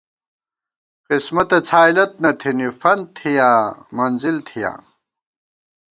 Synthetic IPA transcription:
qismɐt̪ɐt͡sʰaːilɐt̪̚nɐt̪ʰinifɐn̚t̪ʰijaːmɐnzilt̪ʰijã̰ː

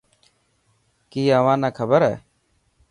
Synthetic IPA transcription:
kiːəʋãːnaːkʰəbəɾɦɛ̰ː

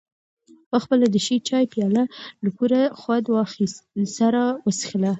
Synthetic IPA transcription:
pəxpəlad̪əʃit͡ʃɑjpjɑlalapuɾaxwad̪wɑxissaɾawəsə̥xla

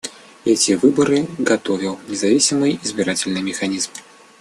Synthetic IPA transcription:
ɛt͡sʲivɨbɐɾɨɡat̪ɔvʲiwnʲɛzavʲisʲimɨjizʲbʲiɾat͡sʲɛlʲnɨmʲɛxanʲizm

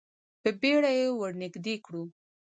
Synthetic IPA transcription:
pəbeɽajewəɾnɪɡd̪ekɽu

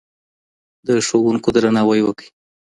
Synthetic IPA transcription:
d̪əʃowuŋkod̪ɾanɑwəjwəkəj

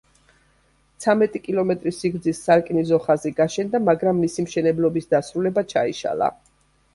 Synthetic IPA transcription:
t̪sʰamɛt̪ʼikʼilˠɔmɛt̪ʼɾisiɡɾd̪zisːaɾkʼnizɔχaziɡaʃɛnd̪amaɡɾamːisimʃɛnɛblˠɔbisd̪asɾulɛbat͡ʃʰaḭʃa̰lˠa̰

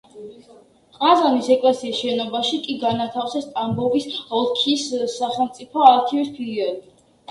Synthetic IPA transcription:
qʼazanisɛkʼlasiːsʃɛnɔbaʃikʼiɡanat̪ʰafsɛst̪ʼambɔvisɔlˠkʰisːaχɛlˠmt̪sʼipʰɔaɾkʰivispʰiliɔli

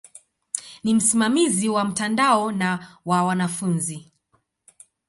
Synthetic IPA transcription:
nim̩simamiziwam̩tandaɔnawawanafunzi

